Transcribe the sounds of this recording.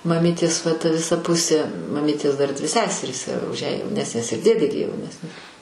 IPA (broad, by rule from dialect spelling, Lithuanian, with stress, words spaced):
mɐˈmʲiːtʲeːs ʋɐ tɐ ʋʲɪˈsɐ ˈpʊsʲeː mɐˈmʲiːtʲeːs ˈdɐr dʲʋʲɪ ˈsʲæːsʲɛrʲiːs ʊʃ jæː jɛʊˈnʲæːsʲnʲeːs ɪr ˈdʲeːdʲeː ɡʲɪ jɛʊˈnʲæːsʲnʲɪ